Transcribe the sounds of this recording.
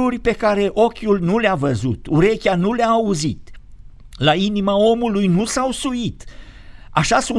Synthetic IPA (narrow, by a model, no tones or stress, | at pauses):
urʲpe̞kaɾe̞ʔo̞kʲulnuleavəzut̪uɾe̞kʲanuleaːuzit̪ | lainimao̞mulujnusawsuit̪ | a̰ʃasu